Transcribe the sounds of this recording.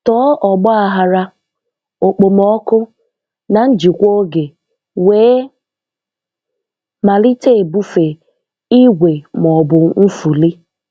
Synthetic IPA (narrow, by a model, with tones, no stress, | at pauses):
tɔː˨˦ʔɔ˨ɡ͡bɔ˦a˨ɦa˦ɾa˦ | o˨k͡po˨mɔ˦kʊ˦ | na˨n̩˦d͡ʒi˨kʷo˦ɡe˨ | weː˨˦ | ma˨lɪ˦te˦˨e˨bu˦fe˨ | i˦ɡʷe˨m˨ɔ˨bʊ˨n̩˦fu˨li˦